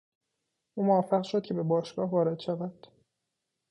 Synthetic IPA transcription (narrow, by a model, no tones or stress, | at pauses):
ʔuːmovæfːæɣʃod̪̥̚cʰe̞be̞bɒːʃɡ̥ɒːhvɒːɾe̞d̪̥ʃævæd̪̥